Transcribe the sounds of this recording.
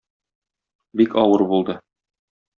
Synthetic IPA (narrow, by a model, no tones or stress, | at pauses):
bikɒwɤɾbulˠd̪ɤ